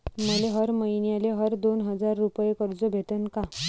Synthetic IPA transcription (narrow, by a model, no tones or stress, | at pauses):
məleɦəɾməjnjaleɦəɾd̪onɦəd͡zaɾːupjekəɾd͡zobʱet̪ənka